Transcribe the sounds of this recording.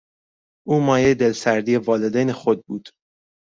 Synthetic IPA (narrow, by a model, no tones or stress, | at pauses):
ʔuːmɒːjejed̪e̞lsæɾd̪ijevɒːled̪ejnexod̪̚buːd̪̥